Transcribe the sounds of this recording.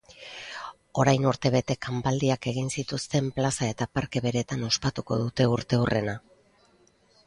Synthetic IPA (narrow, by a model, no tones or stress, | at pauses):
o̞ɾajnuɾt̪e̞β̞e̞t̪e̞kambald̪iake̞ɣinsit̪ust̪e̞mplasae̞t̪apaɾke̞βe̞ɾe̞t̪ano̞spat̪uko̞ðut̪e̞uɾt̪e̞urʔe̞̰na